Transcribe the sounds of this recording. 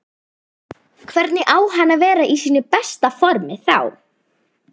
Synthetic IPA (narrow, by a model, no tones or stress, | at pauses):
kʰvɛɾt̪nɪʔaːwɦanːavɛːɾaʔisiːnʏpɛst̪afɔɾmɪθa̰w